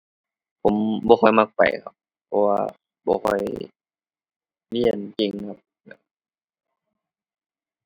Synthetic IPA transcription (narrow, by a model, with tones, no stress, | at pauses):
pʰo˨˦mbɔː˧˦xʰɔ˧˩jma˧˩k̚pa̰˨˩jkʰa̰˦p̚ʰːɔ˧wa̰ː˧ | bɔ̰ː˧kʰɔ˧˩j | li˧˩˨ənke˧˩ŋkʰa˧˥p̚nɛ̰˧˩